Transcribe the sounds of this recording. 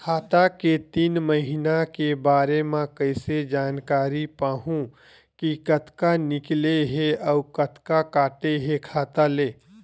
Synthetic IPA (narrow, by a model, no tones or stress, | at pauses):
kʰaːt̪aket̪iːnməɦɪnakebaːɾemãkəɪsed͡ʒaːnkaːɾipaːɦũ | kikɐt̪kanɪkleɦeɔːkət̪kakaːʈeɦekʰaːt̪aleː